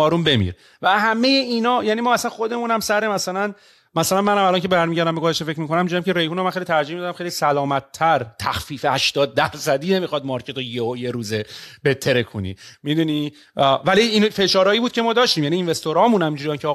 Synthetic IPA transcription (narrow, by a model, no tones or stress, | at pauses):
ɒːɾunbe̞mḭɾ | væhæme̞je̞inɒːjæːnimɒːæsænxo̞d̪e̞mũnæmsæɾemæsælæn | mæsælænmænhæmælɒncʰe̞bebæɾmiɟæɾd̪æmbeɡozæʃt̪e̞fecʰɾmikonæmind͡ʒuɾijæmkcʰeɾe̞jhunomænxejlit̪ʰæɾd͡ʒihmid̪ɒd̪æmxelisælɒːmæt̪ʰːæɾt̪ʰæxfiːfehæʃt̪ɒːd̪̚ːæɾsæd̪iːne̞mixɒd̪̚mɒɾcʰe̞t̪ojeojeɾuːzebet̪ʰːe̞ɾekʰṵnḭmid̪uni | væliinfe̞ʃɒːɾɒːiːbuːd̪̚cʰemɒːd̪ɒːʃt̪iːmjæniːnve̞st̪oɾɒːmũnhæmind͡ʒuɾijæmcʰeɒː